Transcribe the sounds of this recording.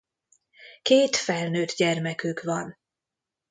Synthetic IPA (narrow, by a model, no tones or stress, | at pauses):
keːt̪fɛlnøːd̪ɟɛrmɛkykvɒn